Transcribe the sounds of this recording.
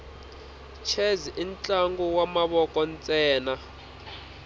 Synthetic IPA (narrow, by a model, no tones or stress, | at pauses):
t͡ʃʰɛziʔint͡ɬʼaŋɡuwamaβɔkɔnt͡sʼɛːna